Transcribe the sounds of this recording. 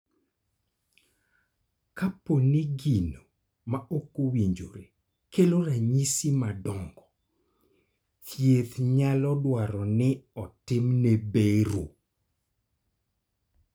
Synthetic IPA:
kaponɪɡino | maokowiɲd͡ʒo̰ɾe | keloɾaɲisimadɔŋɡɔ | tjet̪ɲalɔdwaɾɔnɪɔtɪmnebeɾo̰

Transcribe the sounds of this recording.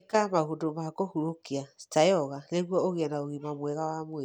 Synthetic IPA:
kamahundomakohuɾokiasi̥tajɔɣaneɣwɔoɣianaoɣimamwɛɣawamwe

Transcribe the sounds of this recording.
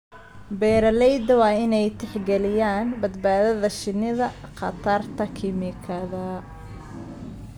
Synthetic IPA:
bɛːɾɐlɛjd̪ɐwɑːɪnɛjt̪ʰɛħɡɛlɪjaːnbɐd̪baːðɐðɐʃɪnɪðɐqɑ̰t̪ʰɐrt̪ʰɐkʰɪmɪkʰɐðɐ

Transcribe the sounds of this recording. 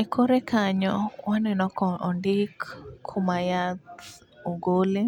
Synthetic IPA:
ekʰoɾekʰaɲɔwanɛnɔkɔʔɔndɪkʰːʊmajat̪ | oɡole

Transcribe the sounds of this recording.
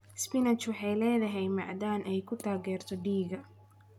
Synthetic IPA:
spɪnɐt͡ʃwɑħɑjlɛːðɐɦɛjma̰ʕd̪aːnʔɛjkʰʊt̪ʰaːɣɛːrt̪ʰɔɖiːɣɐ

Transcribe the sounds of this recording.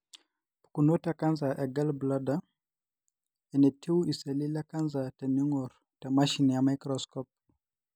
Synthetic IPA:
pu̥kunɔtakanzaʔɛɡalblada | ɛnɛtiuisɛlilakanzatɛniŋɔɾ | tamaʃinjamajkɾɔskɔp̚

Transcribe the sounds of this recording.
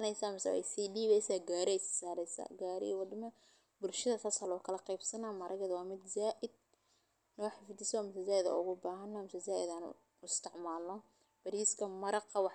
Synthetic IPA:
nɛjsaːmɐsɐ̰wɛ̰jsiːliːβɛjsaːɡaːɾɪɛjssaːɾɛjsa̰ːɡaːɾɪ̰wɐd̪ɐmɐ | bʊlʃɐðɐt̪ʰɐsɐlɔːkʰɐlɐqɛjbsɐnaːmɐɾʔɐɣɛðwɑːmɪd̪zaːʔɪd̪̚ | nɔːħɑfɪd̪ɪsɔmʊt̪ʰɐzaːɪðɐ̰ʊɣʊbaːɦɐnːamʊt̪ɐzaːʔɪ̰ðan̰ | ɪst̪ʰɪʕmaːlɔ | b̥ɐɾiːskʰɐmɐɾɑqɐwɑħ

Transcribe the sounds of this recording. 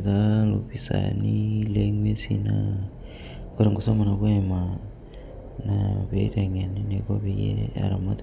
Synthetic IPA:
talopisa̰nileŋwesina | koɾeŋɡusamanakuema | napeiteŋeninekapejḛa̰ɾamat̪

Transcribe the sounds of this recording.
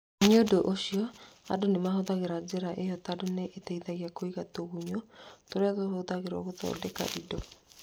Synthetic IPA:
aɲodoʔoɕiɔadonemaɦoðaɣeɾad͡ʑeɾaʔejɔtadoneʔetɛiðaɣiakoiɣatoɣuɲɔtoɾatohoðaɣeɾwɔ̰ɣoðɔ̰ːdɛka̰ʔidɔ

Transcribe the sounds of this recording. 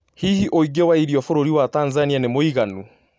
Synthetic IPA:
hihiʔoiɡewaiɾiɔfoɾoɾiwataːnzanianemoiɣanu

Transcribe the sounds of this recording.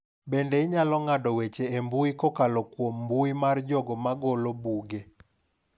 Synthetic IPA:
bendɛɪɲalɔŋadɔwet͡ʃeːmbuikɔkalɔkwomːbuimard͡ʒɔɡɔmaɡolobuɡe

